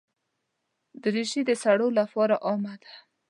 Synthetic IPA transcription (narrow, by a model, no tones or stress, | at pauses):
d̪əɾiʃid̪əsaɽolafɑɾaʔɑmad̪̥a